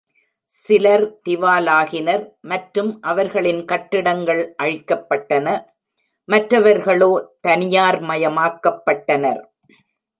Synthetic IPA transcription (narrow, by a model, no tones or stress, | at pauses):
sɪlɐɾt̪ɪʋaːlaːɣɪnɐɾmɐʈɾɯmʔɐʋɐɾɣɐɭɪnkɐʈːɪɽɐŋɡɐɭʔɐɻɪkːɐpːɐʈːɐnɐ | mɐʈɾɐʋɐɾɣɐɭoːt̪ɐnɪjaːɾmɐjɐmaːkːɐpːɐʈːɐnɐɾ